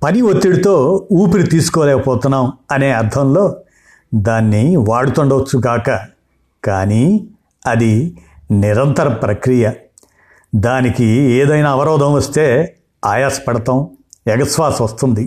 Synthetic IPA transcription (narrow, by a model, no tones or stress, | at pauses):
pɐniʋot̪ːiɽit̪o̞ːuːpiɾit̪iːsu̥kɔːlɛːkɐpɔːt̪unːaːmɐne̞ːɐɾd̪ʱɐmlo̞ː | d̪aːnːiʋaːɽut̪oɳɖɐʋɐt͡ʃːuɡaːkɐ | kaːni | ɐd̪iniɾɐnt̪ɐɾɐpɾɐkɾijɐ | d̪aːnikieːd̪ɐjnaːʋɐɾɔːd̪ʱɐ̃mʋɐst̪eː | aːjaːsɐ̥pɐɽɐt̪ɐmɛɡɐsʋaːsʋɐst̪und̪i